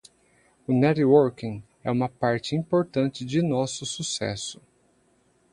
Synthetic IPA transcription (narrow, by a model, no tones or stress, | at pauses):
ʊnɛɾwoɾkĩŋ | ɛũmɐpaɾt͡ʃɪĩpoɾt̪ɐ̃t͡ʃɪd͡ʒɪnɔsʊsusɛ̰sʊ̥